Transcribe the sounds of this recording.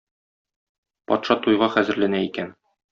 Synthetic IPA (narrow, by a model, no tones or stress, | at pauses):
pɒt̪ʃɑt̪ujʁɑχæzɘ̆ɾlænæikæn